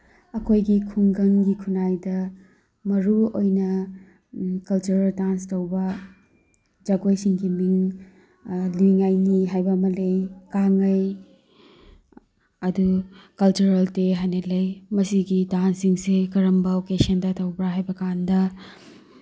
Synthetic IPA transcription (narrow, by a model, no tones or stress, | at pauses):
ɐkʰojɡikʰuŋɡɐŋɡikʰunajdɐ | mɐɾuojnɐ | kɐlt͡ʃuɾɐldanstɐwbɐ | d͡ʒɐɡojsiŋɡimiŋ | liŋajniɦajbɐmɐlejkaŋɐj | ɐdukɐlt͡ʃuɾɐlteɦajnelejmɐsiɡidansiŋsekɐɾɐmbɐokesɐndɐtʰɐwbɾaɦajbɐkandɐ